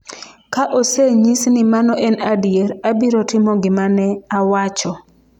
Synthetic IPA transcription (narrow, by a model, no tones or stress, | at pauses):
kaʔoseɲisnɪmanɔʔɛnadjeɾabiɾɔtɪmɔɡɪmanɛawat͡ʃɔ